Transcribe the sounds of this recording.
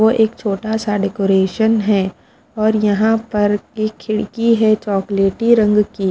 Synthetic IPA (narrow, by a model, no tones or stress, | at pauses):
ʋoʔeːkt͡ʃʰoːʈasaɖɛkoːɾeːʃənɦɛː | ɔːɾjɐɦãpɐɾkikʰɪɽkiɦɛt͡ʃɔːkleːʈiɾɐ̃ŋɡki